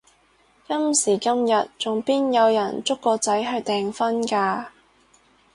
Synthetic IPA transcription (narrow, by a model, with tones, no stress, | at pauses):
kɐ˥msiː˨˩kɐ˥mjɐ˨t̚t͡sʊ˨ŋpiː˥njɐ˨˧wjɐ˨˩nt͡sʊ˥kːɔː˧t͡sɐ˨˥jɦɐ˨˧jt̪ɛː˨ŋfɐ˥nkaː˧